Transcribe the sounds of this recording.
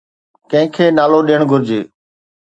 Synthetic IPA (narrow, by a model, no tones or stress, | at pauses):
kə̃ɦɪ̃kʰeːnaːloːɗiːəɳ̃ɡʱʊɾd͡ʑeː